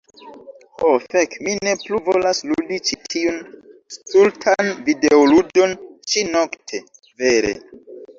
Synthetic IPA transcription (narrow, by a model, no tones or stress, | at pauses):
hofekmine̞pluvolasludit͡ʃitʰiunstultʰanvideoludo̞nt͡ʃinoktʰe̞ | ve̞ɾḛ